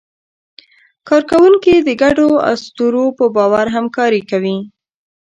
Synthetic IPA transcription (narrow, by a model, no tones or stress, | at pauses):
kɑɾkawuŋkid̪əɡaɖoa̰st̪uɾopəbɑwaɾɦamkɑɾikawi